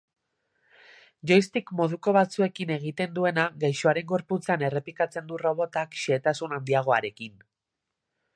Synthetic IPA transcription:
ʝo̞jst̪ikmo̞ð̞uko̞βat͡sue̞kine̞ɣ̞it̪e̞nd̪ue̞naɣajʃoaɾe̞ŋɡo̞ɾput͡sane̞re̞plikat͡se̞nd̪uro̞β̞o̞t̪akʃeːt̪asunand̪iaɣ̞o̞aɾe̞kin

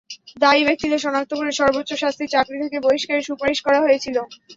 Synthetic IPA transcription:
d̪aibek̚t̪id̪eʃɔnak̚t̪okoɾeʃɔɾbotːɕoʃast̪ʰiɾt͡ɕakɾit̪ʰekeboiʃkaɾeʃupaɾeʃkɔɾaɦojet͡ɕʰilo

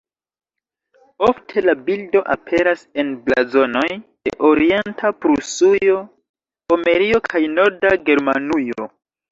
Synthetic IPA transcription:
o̞ftʰe̞labildo̞ʔapʰe̞ɾase̞nbla̰zo̞no̞jd̥e̞̰ʔoɾie̞ntʰapɾusujo̞ | ome̞ɾio̞kʰajno̞ɾdaɡe̞ɾma̰nujo̞̰

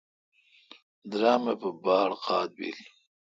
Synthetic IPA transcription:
d̪ɾɑːmapəbɑːɽqʰɑːt̪̚bḭl

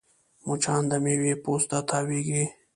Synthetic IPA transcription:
mut͡ʃʰaːnd̪ɐmeːweːpoːst̪at̪ʰaːwiːɡiː

